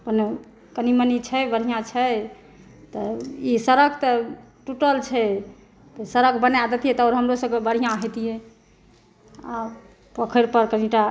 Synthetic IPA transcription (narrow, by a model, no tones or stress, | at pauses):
pəne | kənimənit͡ʃʰɛbəɾɦijãt͡ʃʰɛ | t̪ɔisəɾəkʰt̪ɔʈuʈəlt͡ʃʰɛ | t̪ɔsəɾəkbənad̪ət̪iɦɛt̪ɔːɾɦəmɾosəbkebəɾɦijãɦet̪iɦɛ̃ | a | pəkʰəɾpəɾkəniʈa